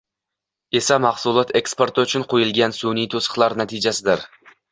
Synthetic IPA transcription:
e̞samɑχsulˠɒt̪ʰe̞kspo̞ɾt̪ʰɪʊt͡ʃʰʊnqʰojɪlˠɡʲansunijt̪ʰosə̥χlˠaɾnat̪ʰɪd͡ʒasɪd̪ɪɾ

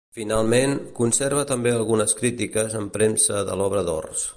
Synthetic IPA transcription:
finalˠmeŋkunseɾβ̞ət̪əmbeəlˠɣunəskɾit̪ikəzəmpɾemsəðə̰lɔβɾəðɔ̰rs

